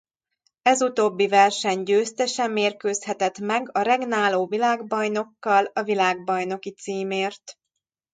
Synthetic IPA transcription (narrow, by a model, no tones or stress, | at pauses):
ɛzut̪oːbːivɛrʃɛɲɟøːst̪ɛʃɛmːeːrkøːshɛt̪ɛt̪mɛɡɒɾɛɡnaːloːvilaːɡbɒjno̞kːɒlɒvilaːɡ̚bɒjn̪o̞kit̪siːmeːrt̪